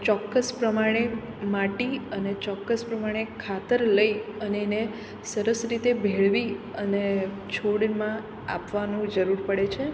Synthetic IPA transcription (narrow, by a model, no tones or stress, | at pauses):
t͡ʃɔkːəspɾəmaɽ̃e | mãʈiənet͡ʃɔkːəspɾəmaɽ̃ekʰat̪əɾləiəneːne | səɾəsɾit̪ebʱeɭʋiəne | t͡ʃʰoɽmã | a̰pʋanũd͡ʒəɾuɾpəɽet͡ʃʰe